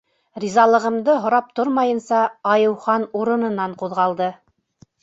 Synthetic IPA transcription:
ɾʲizɑlˠɤ̆ʁɤ̆md̪ɤɦŏɾɑp̚t̪oɾmɑjɤ̆nsɑɑjɤ̆wχɑnuɾɤ̆nɤ̆nɑɴquðʁɑlˠd̪ɤ

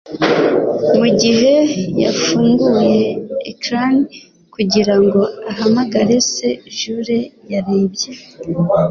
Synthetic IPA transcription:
muɟiɦe̞ja̰fuːŋɡuje̞̰ːkɾan | kuɟiɾaŋɡo̞aɦamaɡaɾe̞se̞ʒuːɾe̞jaɾeːbɟe

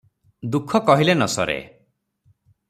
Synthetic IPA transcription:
d̪ukʰɔkɔɦilenɔsɔ̰ɾḛ

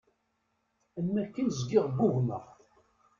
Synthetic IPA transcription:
ənːækːənzɡɪʁbʊɣnə̰ʁ

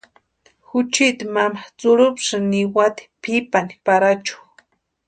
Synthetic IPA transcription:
xʊt͡ʃit̪imamat͡sʊɾʊpʂɨniwat̪i̥pʰipani̥paɾat͡ʃu̥

